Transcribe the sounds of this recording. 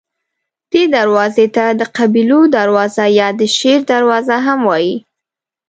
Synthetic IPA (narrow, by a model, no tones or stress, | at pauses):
d̪̥ed̪aɾwɑzet̪ad̪əqabilod̪aɾwɑzajɑd̪əʃeɾd̪aɾwɑzaɦamwɑji